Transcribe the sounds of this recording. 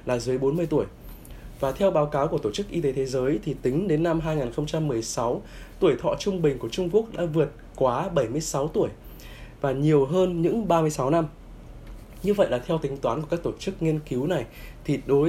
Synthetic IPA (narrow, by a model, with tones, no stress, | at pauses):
laː˨˩zɨ˨˦jɓo˨˦nmɨ˧əjt̪u˧˩əj | vaː˨˩t̪ʰɛ˧wɓaː˨˦wkaː˨˦wku˧˩ət̪o˧˩t͡ɕɨ˦˥k̚ʔi˧t̪e˨˦t̪ʰe˨˦zəː˨˦jt̪ʰi˨˩t̪ï˨˦ŋ̟ɗe˨˦nːa˧mɦaː˧jŋaː˨˩nxə˧ŋ͡mt͡ɕa˧mːɨ˨˩əjsa˨˦w | t̪u˧˩əjt̪ʰɔ̰˧˨t͡ɕʊ˧ŋ͡mɓï˨˩ŋ̟ku˧˩ət͡ɕʊ˧ŋ͡mku˦˥ək̚ɗa̰ː˧˥vɨ˨˩ət̚kwaː˨˦ɓə˧˩jmɨ˧əjsa˨˦wt̪u˧˩əj | vaː˨˩ɲi˨˩əwɦəː˧nɲɨ̰˧˥ŋɓaː˧mɨ˧əjsa˨˦wna˧m | ɲɨ˧və̰˧˨jlaː˨˩t̪ʰɛ˧wt̪ï˨˦ŋ̟t̪waː˨˦nkəkaː˦˥k̚t̪o˧˩t͡ɕɨ˦˥k̚ŋi˧ənki˨˦wna˨˩jt̪ʰi˨˩ɗo˨˦